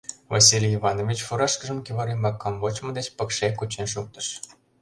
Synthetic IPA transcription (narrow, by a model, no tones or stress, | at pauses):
vɑ̰s̬ʲilʲjivɑnovʲit͡ɕfuɾɑʃkəʒəmkiβɑɾimɑkːɑmbot͡ɕmə̆d̪et͡ɕpə̆kʃekut͡ɕenʃ̬uk̚t̪ə̥ʃ